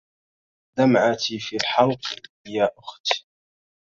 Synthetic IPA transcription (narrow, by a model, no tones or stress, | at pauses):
d̪amʕat̪ifilħɑlq | jaːʔʊxt̪